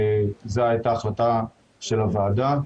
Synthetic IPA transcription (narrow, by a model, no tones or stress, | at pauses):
zeaet̪aːχlat̪a | ʃe̞lavaːd̪a